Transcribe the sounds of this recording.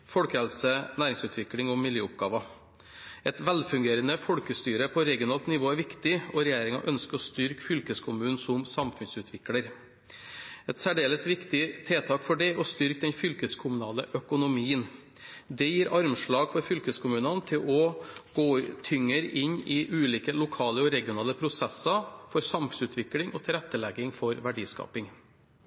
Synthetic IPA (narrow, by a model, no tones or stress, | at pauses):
fɔlkəhɛlsənæːɾɪŋsʉːt̪ʰʋɪklɪŋɔmːɪljøːʊp̚ɡɑːʋɑ | ɛt̪ʋɛlfʉŋɡeːɾənəfɔɽkəst̪yːɾəpʰɔɾɛɡɪʊnɑːlt̪nɪʋoːæɾʋɪkt̪ɪɔɾɛjeːɾɪŋɑ̰ʔœnskəɾɔst̪ʏɾkfʏlkəskʰʊmʉːnn̩sʊmsɑmfʉnsʉːt̪ʰʋɪkləɾ | ɛt̪sæɖeːləsʋɪkt̪ɪt̪ʰeːt̪ʰɑːkfɔɖɛɔst̪ʏɾkd̪ɛnfʏlkəskʰʊmʉnɑːləʔœkʊnʊmiːən | d̪ɛjiːɾɑɾmʂɭɑːɡfɔɾfʏlkəskʰʊmʉːnɑnt̪ʰɪlʔɔɡ̥oːt̪ʰʏŋːəɾɪɲɪʔʉːliːkəlʊkʰɑːləɔɾɛɡɪʊnɑːləpʰɾʊsɛsɑfɔɾsɑmfʉnsʉːt̪ʰʋɪklɪŋɔt̪ʰɪlɾɛt̪ːəlɛɡɪŋfɔɾʋæɖiːskɑ̰ːpɪŋ